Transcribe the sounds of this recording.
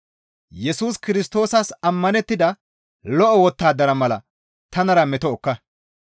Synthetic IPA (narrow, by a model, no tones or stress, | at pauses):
jɛsuːskɪɾɪst̪o̞ːsɐsɐmːɐnɛt̪ːɪd̪ɐ | lɔʔɔwɔt̪ːaːd̪ɐɾɐmɐlɐ̰ | t̪ɐnɐɾɐmɛt̪ɔɔkːɐ